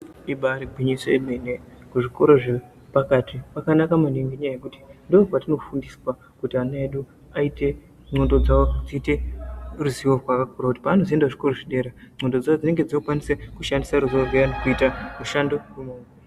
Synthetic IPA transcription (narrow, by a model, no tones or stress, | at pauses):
iɓaɾiɡʱwiɲisoemenekuʐiko̞ɾo̞ʐe | pakatipakanakamaniŋɡeɲajajekuti̥ndokwatino̞fundiswa | kutianaeɗu | aite̞ | ŋ͡ǀo̞ndo̞d͡zawo̞d͡ziːte̞ruziwo̞rwakakuɾakuti̥paːno̞zie̞ndaʐiko̞roʐiɗe̞ɾaŋ͡ǀo̞ndo̞d͡zawod͡zine̞ŋɡe̞d͡ziokukwanisekuʃandisaɾuziorwejanekuitamuʃando̞kumoe